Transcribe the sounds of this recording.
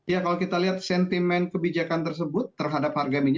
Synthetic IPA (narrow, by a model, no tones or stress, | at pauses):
jakalokit̪aliɦat̪̚sɛnt̪imɛnkəbid͡ʒakant̪ərs̬əbʊt̪ːərɦadap̚harɡamiɲ